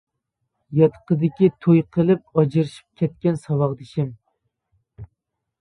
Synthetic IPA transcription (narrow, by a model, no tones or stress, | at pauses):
jɑt̪qəd̪ɪkʲit̪ʰojtqʰəlˠɨp̚ɑd͡ʒɨɾɪʃi̥p̚kʲʰɛt̪̚kʲɛnsɑwɑʁd̪ɪʃɪm